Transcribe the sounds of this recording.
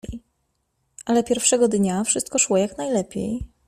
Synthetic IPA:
ʔalɛpʲjɛɾfʂɛɡɔd̪ɲafʂɘst̪̚kɔʂwɔjaknajlɛpʲjḛj

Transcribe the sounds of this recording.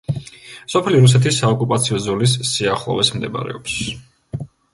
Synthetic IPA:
sɔpʰɛliɾus̬ɛt̪ʰisːaɔkʼupʼat̪sʰiɔzɔlis̬ːiaχlˠɔ̰vɛsmd̪ɛb̰ɾɛ̰ɔps

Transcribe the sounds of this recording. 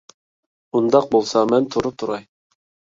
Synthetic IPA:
und̪ɑq̚bolˠsɑmɛnt̪ʰuɾup̚t̪ʰuɾɑj

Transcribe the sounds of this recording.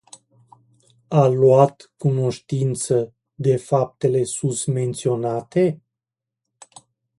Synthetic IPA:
aluat̪kuno̞ʃt̪int̪sə | d̪e̞fap̚t̪e̞le̞sunt̪me̞nt̪sio̞nat̪e̞

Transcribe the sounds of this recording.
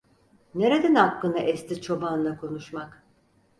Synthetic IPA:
ne̞ɾed̪ɛnakːɯnaʔɛst̪it͡ʃʰo̞banˠakʰo̞nuʃmak

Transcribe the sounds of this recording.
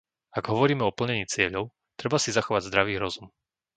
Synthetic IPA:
aɡɦɔʋɔɾiːmɛɔpl̩ɲɛɲiːt͡sɪɛʎɔʊ | t̪ɾɛbasizaxɔʋaɟzd̪ɾaʋiːɾɔzum

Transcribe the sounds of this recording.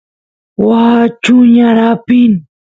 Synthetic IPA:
wat͡ʃʊɲaɾapin

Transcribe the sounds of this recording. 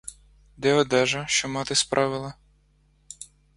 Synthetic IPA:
d̪ɛɔd̪ɛʒɐʃt͡ʃɔmɑt̪ɪspɾʔɑʋɪlˠɐ

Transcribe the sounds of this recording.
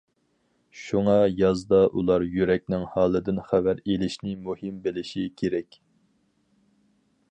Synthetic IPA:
ʃuŋɑjɑzd̪ɑʔulˠɑɾjyɾɛkʲnɪŋhɑːlˠɨd̪ɪnχævæɾelɪʃnɪmuhɪmbɪlɪʃikʲʰeɾɛkʲ

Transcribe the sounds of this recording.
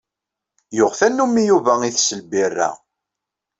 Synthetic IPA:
jʊʁθænːumːijuvæiθsəlbirːæ̰

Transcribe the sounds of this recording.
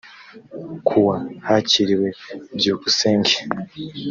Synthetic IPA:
kʰuwahaciɾiwe̞bjoːkuseːŋɡe

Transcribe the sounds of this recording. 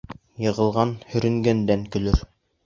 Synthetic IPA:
jɤ̆ʁɤ̆lˠʁɑnhɵ̆ɾɵ̆ŋɡænd̪æŋkɵ̆lɵɾ

